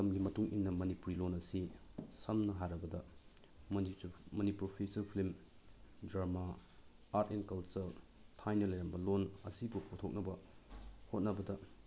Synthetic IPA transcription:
tɐmɡimɐtuŋʔḭnːɐmɐnipuɾilonɐsi | sɐmnɐɦajɾɐbɐdɐ | mɐnipɾopʰesɐɾpʰilim | dɾamaː | ɾtenkɐlt͡ʃɐɾ | tʰajnɐlɐjɾɐnbɐlonɐ̰sibupotʰok̚nɐbɐ | hot̚nɐbɐdɐ

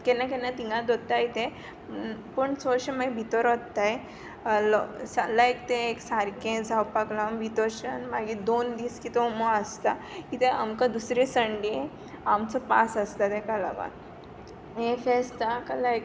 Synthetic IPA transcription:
kɛnakɛnat̪iŋɡãd̪ot̪ːait̪ẽ | pəɳt͡sɔɾɕemaɡibʱit̪ɔɾɔt̪ːaj | lɔsalaekt̪eːksaɾkẽd͡zʱawpaklambʱit̪ɔɾɕənmaɡid̪ond̪iːskit̪ɔmoəst̪akit̪ẽamkad̪usɾesəɳɖẽ | amt͡sɔpa̰səst̪at̪ɦẽkala̰ʋa̰ɾ | ẽfest̪akəlaek

